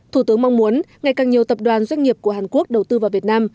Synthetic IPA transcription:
t̪ʰu˧˩t̪ɨ˨˦əŋma˧wŋ͡mmu˨˦ənŋa˨˩jkaː˨˩ŋɲi˨˩əwt̪ə˨˩p̚ɗwaː˨˩nzwa˧jŋ̟ŋi˨˩əp̚ku˧˩əɦaː˨˩nku˦˥ək̚ɗə˨˩wt̪ɨ˧vaː˨˩wvi˨˩ət̚naː˧m

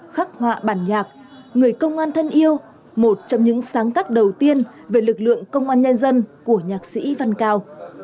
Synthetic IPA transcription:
xaː˦˥k̚hwa̰ː˧˨ɓaː˧˩nɲaː˨˩k̚ | ŋɨ˨˩əjkə˧wŋ͡mʔaː˧nt̪ʰə˧nʔi˧əw | mo˨˩t̚t͡ɕɔ˧wŋ͡mɲɨ̰˧˥ŋsaː˨˦ŋt̪aː˦˥k̚ɗə˨˩wt̪i˧ən | ve˨˩lɨ˨˩k̚lɨ̰˧˨əŋkə˧wŋ͡mʔaː˧nɲə˧nzə˧nku˧˩əɲaː˨˩k̚sḭ˧˥va˧nkaː˧w

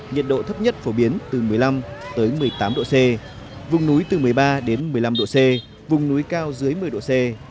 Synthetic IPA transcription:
ŋḭ˨ət̚ɗo̰˧˨t̪ʰə˦˥p̚ɲə˦˥t̚fo˧˩ɓi˨˦ənt̪ɨ˨˩mɨ˨˩əjla˧mt̪əː˨˦jmɨ˨˩əjt̪aː˨˦mɗo̰˧˨se˧ | vʊ˨˩wŋ͡mnu˨˦jt̪ɨ˨˩mɨ˨˩əjɓaː˧ɗe˨˦nmɨ˨˩əjla˧mɗo̰˧˨sɛ˧ | vʊ˨˩ŋ͡mnu˨˦jkaː˧wzɨ˨˦əjmɨ˨˩əjɗo̰˧˨se˧

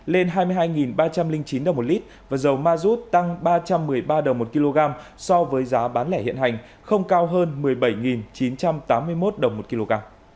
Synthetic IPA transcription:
le˧nɦaː˧jmɨ˧ɦaː˧jŋi˨˩nɓaː˧t͡ɕa˧mlï˧ŋt͡ɕi˨˦nɗə˨˩wŋ͡mtli˦˥t̚vaː˨˩zə˨˩wmaː˧zu˦˥t̚t̪a˧ŋɓaː˧t͡ɕa˧mːɨ˨˩əjɓaː˧ɗə˨˩wŋ͡mmo˨˩t̚ki˧lo˧ɣaː˧m | sɔ˧vəː˨˦jzaː˨˦ɓaː˨˦nlɛ˧˩hḭ˧˨nɦa˨˩jŋ̟ | xə˧wŋ͡mkaː˧wɦəː˧nmɨ˨˩əjɓə˧˩jŋi˨˩nt͡ɕi˨˦nt͡ɕa˧mt̪aː˨˦mːɨ˧əjmo˦˥t̚ɗə˨˩wŋ͡mmo˨˩t̚ki˧lo˧ɣaː˧m

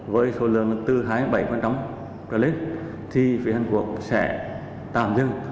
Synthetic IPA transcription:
vəː˨˦jso˨˦lɨ̰˧˨əŋ˨˧t̪ɨ˧˩ɦaː˨˦jɓa˧˩jka˧nt͡ɕa˨˦ŋ͡m | ka˧˩le˨˦˥t̚ | t̪ʰi˨˩fi˨˦ha˨˧˩ŋ̟ku˨˩ək̚sɛ̰˧˩ | t̪aː˨˩mzɨ˧ŋ

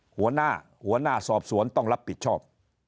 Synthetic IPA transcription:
hu˩˦ɐnaː˥˩ | hu˨˩˦ɐnaː˥˩sɔː˨˩p̚su˩˦ənt̪ɔ˥˩ŋɾa˦˥pʰːi˨˩t̪̚t͡ɕʰɔː˥˩p̚

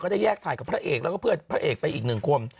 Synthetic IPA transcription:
kɔː˥˩daː˥˩jɛː˥˩kt̪ʰaː˨˦jka˨˩pʰɾa˦˥ʔeː˨˩klaː˦˥kɔː˥˩pɯ˥˩ət̪̚pʰɾa˦˥ʔeː˨˩k̚pa˧jʔiː˨˩k̚nɯ˨˩ŋkʰu˧əm

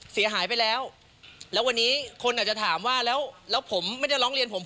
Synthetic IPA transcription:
si˨˩˦ɦaː˩˦jpa˧jlɛː˦˥w | lɛː˦˥wa˧nːiː˦˥kʰo˧nʔaː˨˩t̚t͡ɕa˨˩t̪ʰaː˩˦mwaː˥˩lɛː˦˥wlɛː˦˥wpʰo˩˦mmːa˥˩nja˥˩ɾɔː˦˥ŋɾi˧ənpʰo˩˦mp

